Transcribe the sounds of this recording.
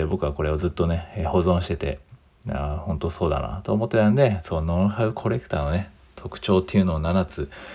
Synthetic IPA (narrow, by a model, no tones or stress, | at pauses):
ebo̞kɯ̟ako̞ɾe̞o̞zɨt̪ːo̞ne̞ho̞zõ̞ɰ̃ɕi̥t̪e̞t̪e̞̰ | a̰hõ̞nt̪o̞so̞ːd̪a̰na̰t̪o̞ːmo̞t̪ːe̞t̪ãnd̪e̞soːnoɾhaɯ̟kʰo̞ɾe̞kt̪aːno̞ne̞ | t̪ʰo̞kɯ̟̥t͡ɕo̞ːt̪ːeiɯ̟no̞ːnanat͡sɨ